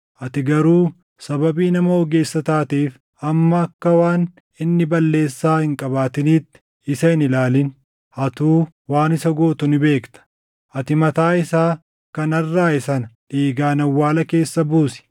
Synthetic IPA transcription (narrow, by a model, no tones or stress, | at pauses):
ʔɐt̪ɪɡɐɾuː | sɐbɐbiːnɐmɐɔɡe̞ːsːɐt̪aːt̪iːf | ɐmːɐːkːɐwaːn | ɪnːɪbɐlːe̞ːsːaːhɪŋkʼɐβaːt̪ɪniːt̪ːɪ̥ | ɪsɐɪnɪlaːlɪn | ɐt̪uː | waːnɪsɐɡoːt̪ʊnɪbe̞ːkt̪ɐ̥ | ʔɐt̪ɪmɐt̪aːɪsaː | kɐnɐrːaːɪsɐnᶑeːɡaːnɐwːaːlɐke̞ːsːɐbuːsɪ̥